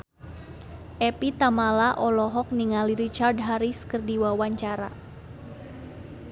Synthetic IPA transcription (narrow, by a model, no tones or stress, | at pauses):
ʔɛpit̪amalaʔɔlɔɦɔk̚niŋaliɾit͡ʃardɦaɾiskɨrdiwawaɲt͡ʃaɾa